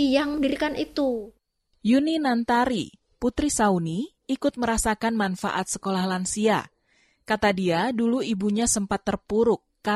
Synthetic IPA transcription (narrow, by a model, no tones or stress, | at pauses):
jaŋdiɾikanit̪u | juninant̪aɾḭ | put̪ɾisauni | ikʊt̪̚məɾasakanmanfa̰ʔat̪̚sə̥kolahlansia̰ | kat̪adiaduluibuɲasəmpat̪ːərpuɾʊkːa